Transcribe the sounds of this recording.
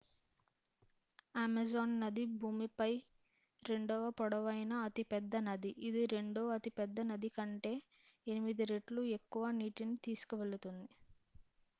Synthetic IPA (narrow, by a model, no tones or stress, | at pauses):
aːmɐd͡ʒoːnːɐd̪ibʱuːmipɐj | ɾe̞ɳɖɔʋɐpɔɽɐʋɐjnɐːt̪ipɛd̪ːɐnɐd̪iʔid̪iɾe̞ɳɖoːɐt̪ipɛd̪ːɐnɐd̪ikɐɳʈe̞ː | enimid̪iɾeʈlue̞kːuʋaːniːʈint̪iːsu̥kuʋe̞ɭut̪und̪i